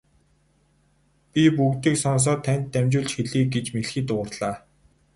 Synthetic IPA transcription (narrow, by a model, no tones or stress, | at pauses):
pʲipukt̪iːksɔns̬ɔːt̪ʰːænʲt̪ːæmʲt͡ɕʊːɮt͡ɕxeɮiːɡet͡ɕmeɮxiːt̪ʊ̆rɮaː